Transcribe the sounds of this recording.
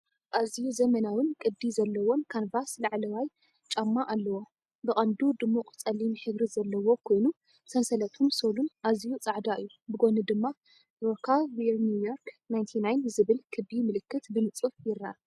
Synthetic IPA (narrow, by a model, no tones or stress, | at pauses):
ʔazijuzɐmɐnawɨnkʼɨd̪ːizɐlːɐwo̞nkʰanbaslaʕlɐwaj | t͡ʃʼɐmːaʔalːɐwo̞ | bɨχʼɐnd̪ud̪ɨmːuqʼt͡sʼɐlimiħɨɡɾizɐlːɐwo̞kʰo̞jnu | sɐnsɐlɐt̪ʰumsolunʔazijut͡sʼaʕd̪aɨjːubɨɡonɨd̪ɨmːa | ɾokʰavinjujoɾknajnt̪ʰinajnzɨβɨlkʰɨbimɨlɨkːɨt̪bɨnɨt͡sʼɨfjɪɾːaa